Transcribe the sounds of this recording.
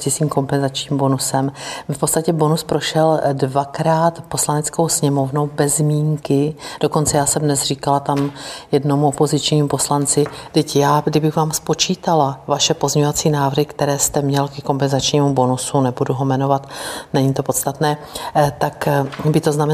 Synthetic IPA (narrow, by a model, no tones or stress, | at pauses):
ɪsiːmko̞mpɛnzat͡ʃɲiːmbo̞nusɛmfpot̪t͡sst̪acɛbo̞nuspɾo̞ʃɛldvakɾaːt̪po̞slanɛt͡sko̞wsɲɛmo̞vnowbɛzmiːŋkɪd̥oko̞nt͡sɛjaːsɛmdnɛsr̝iːkalat̪amjɛdno̞muopo̞zɪt͡ʃɲiːmupo̞slant͡sɪdɪcjaːdɪbɪxvaːmspo̞t͡ʃiːt̪alavaʃɛpo̞zmɲɛɲovat͡siːnaːvrɦɪkt̪ɛɾɛːst̪ɛmɲɛlkɛko̞mpɛnzat͡ʃɲiːmubo̞nusunɛbuduɦo̞mɛno̞vat̪nɛɲiːt̪o̞po̞t̪st̪at̪nɛː | t̪akbɪt̪o̞znam